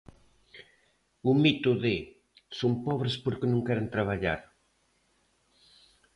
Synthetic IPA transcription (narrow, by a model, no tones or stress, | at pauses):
umit̪uðe | sompɔβ̞ɾespoɾkenõŋkɛɾent̪ɾaβ̞aʎa̰ɾ